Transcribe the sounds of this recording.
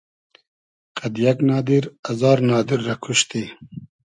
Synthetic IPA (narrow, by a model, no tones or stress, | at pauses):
qɐd̪jaknɑːd̪iɾɐzɑːɾnɑːd̪iɾːakʰuʃt̪i